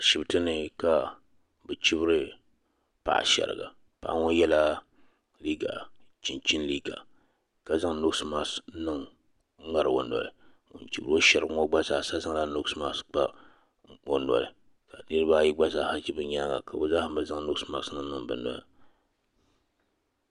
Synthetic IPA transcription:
ʃi˨bɨ˨tɨ˦nɨ˨ka˨ | bɨ˨t͡ʃi˦bɨ˦ɾɨ˦ | pa̰˨ʔa̰˨ʃɛ̰˨ɾɨ̰˨ɡa̰˨ | pa̰˨ʔa̰˦ŋo˦jɛ˦la˦ | liː˦ɡa̰˨t͡ʃi˨nt͡ʃi˦nliː˦ɡa̰˨ | ka˨za˦ŋnʊ˦ksma˦snɨ˦ŋ̩˦ | ŋa˨ɾwo˨nɔ̰˨lɨ˨ | o̰˨nt͡ʃi˨bɾo˦ʃa˨ɾɨ˨ɡŋo˦ɡ͡ba˦zaː˨sa˦za˦ŋ˦la˦nʊ˦ksma˦˨sk͡pa˦ | o˨nɔ̰˨lɨ̰˨ | ka˨nɨ˦ɾɨ˦ba˦ji˦ɡ͡ba˦zaː˦˨ha˦t͡ʃi˦bɨ˦ɲa˦ŋa̰˨ka˨bʊ˨za˦hbɨ˨za˦ŋnʊ˦ksma˦snɨ˦ŋnɨ˦ŋbɨ̰˨nɔ̰˦lɨ˨

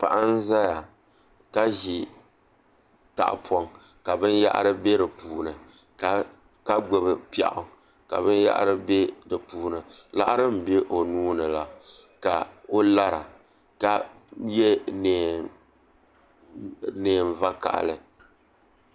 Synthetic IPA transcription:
pa˨ʔa˦n˦za˦ja˨ | ka˦ʒi˨ | ta̰˨ʔpʰɔ˦ŋ | ka˨bɨ˦nja̰˦ʔa̰˦ɾɨ˦be˦ɾɨ˨puː˨nɨ˨ | ka˨ | ka˦ɡ͡bo˦˨bɨ˨pa̰˨ʔʊ˨ | ka̰˨βɨ˦nja̰˦ʔa̰˦ɾɨ˦be˦dɨ˨puː˨nɨ˨ | la̰˦ʔa˦ɾɨ˦m̩˨be˦ʔo˨nuː˦nɨ˨la˨ | ka˨o˦la˦ɾa̰˨ | ka˦˨ | je˦neː˨ | neː˨m˨va˦ka̰˨ʔlɨ˨

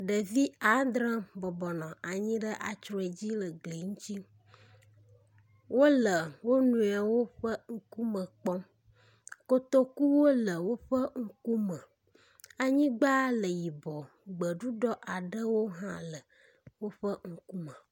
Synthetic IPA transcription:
ɖə˨vi˦a˨˦d̪ɾã˦bɔ˨bɔ˨nɔ̃˨ʔa˨ɲĩ˦ɖə˦ʔa˨t͡ʃɾɔ˦e˨d͡ʑi˦lə˨ɡ͡ble˨ŋũ˦t͡ɕi˦ | wo˦lə˨wo˦nũ˨˦a˨wo˦ɸə˦ŋ̩˦ku˦mə̃˨k͡pɔ˦m | ko˦t̪o˦ku˦wo˦lə˨wo˦ɸə˦ŋ̩˦ku˦mə̃˨ | a˨ɲĩ˦ɡ͡ba˦lə˨ji˨bɔ˨ | ɡ͡bə˨ɖu˦ɖɔ˦ʔa˨ɖə˦wo˦ɦã̰˦lə˨ | wo˦ɸə˦ŋ̩˦ku˦mə̃˨

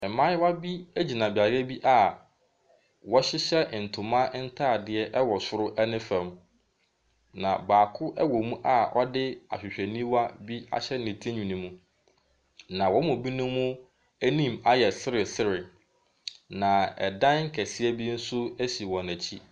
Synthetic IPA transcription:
ɛ˨mã˦wa˦bi˦æ˦d͡ʑi˨nã˨bɪ˨a˨ɾɛ˦bi˦ʔa˨ | wɔ˦ɕɪ˦ɕɛ˦˨n̩˨tʰʊ̃˨mã˦n̩˦tʰa˦˨dɪ˨ɛ˦ʔɛ˦wɔ˨sʊ˦ɾʊ˦ʔɛ˦nɪ̃˦fæ̃˨m | nã̰˨baː˨kʰʊ˦ʔɛ˦wɔ˨mũ˦ʔa˨ɔ˦dɪ˦a̰˨ɕᶣɪ˨ɕᶣæ˨nĩ˦wa˦bi˦a̰˦ɕɛ˦nĩ˨tʰĩ˦ɲᶣũ˨nĩ˨mũ˦ | nã˨wɔ˦mʊ̃˨bi˦nʊ̃˦mʊ̃˦ | æ˦nĩ˦˨ma˦jɛ˨sɪ˦ɾɪ˨sɪ˦ɾɪ˨ | nã˨ɛ̰˨dã˦n˦ŋ̩˦kʰæ˨sɪ˦æ˦bi˦n̩˦sʊ˦æ˦ɕi˨wɔ̃˨næ̃˨t͡ɕʰi˦

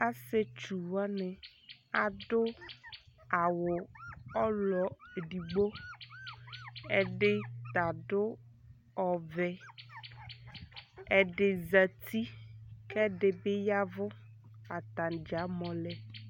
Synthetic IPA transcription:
a˦se˦t͡ʃu˨wa˦nɛ˨ | a˨dʊ˦ | a˨wʊ˨ɔ˦lɔ˨ɖi˨ɡ͡bo˦ | ɛ˨ɖɪ˦t̪a˨ɖʊ˦ | ɔ˨vɛ˨ | ɛ˨ɖɪ˨za˨t̪i˦kɛ˦ɖɪ˨bɪ˦ja˦vʊ˦ | a˨t̪a˨nd͡ʒa˨˦mɔ̃˨lɛ˦

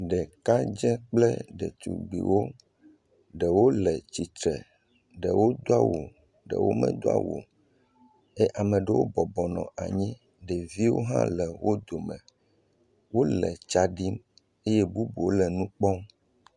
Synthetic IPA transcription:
ɖɛ˨ka˦d͡ʒɛ̃˦k͡plɛ˦ɖɛ̰˨t̪ṵ˨ɡ͡bḭ˨wo˦ | ɖɛ˨wo˦lɛ˨t͡ɕi˨t̪ɾɛ˨ | ɖɛ˨wo˦d̪o˦a˦˨wo̰˨ | ɖɛ̰˨wʔo̰˦mɛ̰̃˦˨d̪o˦a̰˦˨wo̰˨ | e˦ʔa˨mɛ̃˨ɖɛ˨wo˦bɔ˨bɔ˨nɔ̰̃˨a˨ɲĩ˦ | ɖɛ˨vi˦wo˦ɦã̰˦lɛ˨wo˦d̪o˨mɛ̃˨ | wo˦lɛ˨t͡ʃa˦ɖi˦m | e˦je˦bu˦bo˨o˦lɛ˨nũ˦k͡pɔ˦m

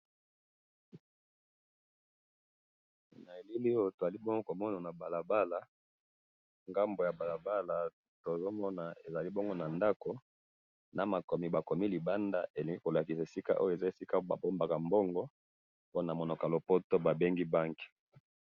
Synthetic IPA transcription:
na˨e˨li˦li˦o˦to˨za˨li˦bŋɡo˦ko˨mɔ˦na˨na˨ba˨la˨ba˦la˨ | ŋɡa˦mbo˨ja˨ba˨la˨ba˦la˨ | to˨zo˦mɔ˦na˨e˨za˨li˦bo˦ŋɡo˦na˨nda˦ko˨ | na˨ma˨ko˨mi˨ba˨ko˨mi˦li˨ba˦nda˦ʔe˨le˨ŋɡi˦ko˨la˨ki˨sa˨e˨si˦ka̰˦ʔo̰˦jo˦˨e˨za˦e˨si˦ka˦ba̰˨bo˦mba˨ka˨mbo˦ŋɡɔ˦ | po˦na˨mo˨no˨ka˨lo˨po˦to˦ba˨be˦ŋɡi˦ba˦ŋki̥˨

